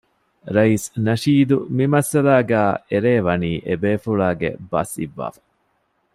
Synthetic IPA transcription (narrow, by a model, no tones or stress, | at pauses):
ɾɐisnɐʃiːd̪umimɐsɐlaːɡæːeɾeːʋɐniːʔebeːfuɭaːɡḛbɐ̰sḭʋːa̰ːfɐ̥